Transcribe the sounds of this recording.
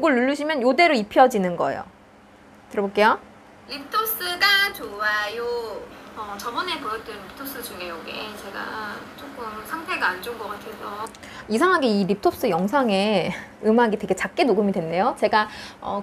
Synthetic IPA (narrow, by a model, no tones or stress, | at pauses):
oɡɯɭːuʎːuɕʰimjʌnjode̞ɾoipʰijʌd͡ʑinɯnɡʌ̰ḛjo̰ | tɯɾʌbok͈e̞jo | ɾip̚tʰop̚s͈ɯɡat͡ɕoajo | ʌt͡ɕʌbʌnepʌɾʌt͈ɯnɾip̚tʰop̚s͈ɯd͡ʑuŋejʌɡḛt͡ɕe̞ɡa̰t͡ɕ͈ok͈ɯmsʰaŋtʰe̞ɡaːnd͡ʑonɡʌk͈atʰe̞sʰʌ | isʰaŋɦaɡeiɾip̚tʰop̚s͈ɯjʌŋsʰaŋe̞ɯmaɡite̞ɡe̞t͡ɕak̚k͈e̞noɡɯmidwenːe̞jot͡ɕe̞ɡaʌ̰